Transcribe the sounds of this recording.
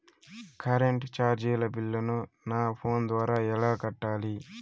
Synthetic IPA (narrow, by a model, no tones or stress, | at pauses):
kʰɐɾeɳʈt͡ʃaːɾd͡ʒiːlɐbilːɐnunaːpʰo̞ːnd̪ʋaːɾaːɛlaːkɐʈːaːli